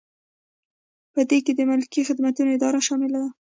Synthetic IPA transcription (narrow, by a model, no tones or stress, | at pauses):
pəd̪eked̪əmʊlkixɪd̪mat̪unoɪd̪ɑɾaʃɑmɪlad̪a